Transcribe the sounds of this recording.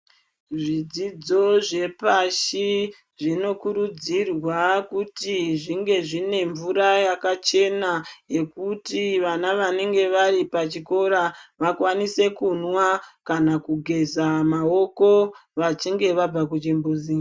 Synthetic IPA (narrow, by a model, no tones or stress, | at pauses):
ʐid͡zid͡zo̞ʐe̞paʃi | ʐino̞kuɾud͡zirwakutiʐiŋɡe̞ʐine̞ɱvuɾajakat͡ʃe̞nae̞kutiʋanaʋane̞ŋɡe̞ʋaripat͡ʃiko̞ɾaʋakwanise̞kunwakanakuɡʱe̞zamao̞ko̞ʋat͡ʃiŋɡe̞ʋab͡vakud͡ʒembuːzi